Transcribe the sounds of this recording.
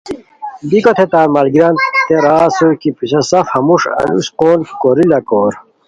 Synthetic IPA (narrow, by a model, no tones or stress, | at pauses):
b̪ikot̪ʰet̪aːɾmɐlɡiɾɐnt̪t̪eɾaːsuɾkipuɕɐsɐfhɐmuʂɐ̰nṵsqoːnkoɾilɐkoːɾ